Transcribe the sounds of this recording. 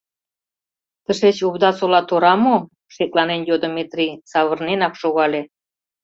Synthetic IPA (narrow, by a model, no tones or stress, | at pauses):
t̪əʃet͡ɕuβd̪ɑsolɑt̪oɾɑmo | ʃek̚lɑnenjod̪omet̪rʲisɑβə̆rnenɑkʃoɣɑle